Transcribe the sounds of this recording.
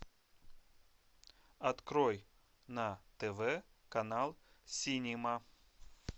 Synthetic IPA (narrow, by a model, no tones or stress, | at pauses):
ɐt̪kɾoj | nat̪ɛvɛkɐnalˠsʲinʲima